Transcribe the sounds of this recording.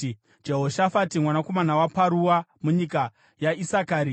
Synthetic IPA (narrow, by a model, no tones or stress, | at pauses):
d͡ʒeɦo̞ʃafatimwanako̞manawapaɾuwamuɲika | jaisakaːɾi